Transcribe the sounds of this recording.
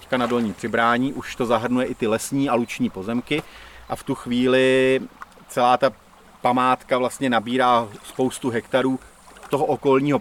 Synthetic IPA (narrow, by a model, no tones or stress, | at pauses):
ckanado̞lɲiːpr̝̥ɪbɾaːɲiːʔuʃt̪o̞zaɦr̩nujɛʔɪt̪ɪlɛsɲiːʔalut͡ʃɲiːpo̞zɛmkɪʔaft̪uxviːlɪ | t͡sɛlaːt̪a | pamaːt̪kavlast̪ɲɛnabiːɾaːspo̞wst̪uɦɛkt̪aɾuː | t̪o̞ɦo̞ʔoko̞lɲiːɦo